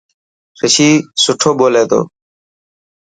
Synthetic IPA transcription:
ɾəʃiːsʊʈʰoːboːleːt̪o̰ː

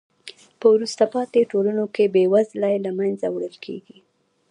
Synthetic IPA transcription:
pəwɾust̪apɑt̪eʈolanokebewazlajlamanzawɽəlkʰḛɡi

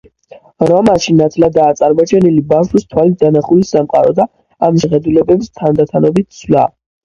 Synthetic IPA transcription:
ɾɔmaʃinat̪ʰlad̪aːt̪sʼaɾmɔt͡ʃʰɛnilibawʃust̪ʰwalid̪anaχulisamqʼaɾɔd̪a | amʃɛχɛd̪ulɛbɛbist̪ʰand̪at̪ʰanɔbit̪̚ʰsʰla̰

